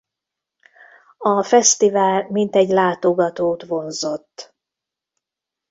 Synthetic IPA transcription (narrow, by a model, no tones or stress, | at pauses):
ɒfɛst̪ivaːlmint̪ɛɟlaːt̪o̞ɡɒt̪oːt̪vo̞nzo̞t̪ː